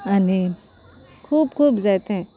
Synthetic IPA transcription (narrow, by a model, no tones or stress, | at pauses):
aniːn | kʰuːbkʰuːbd͡ʒaːt̪eɦɛ̃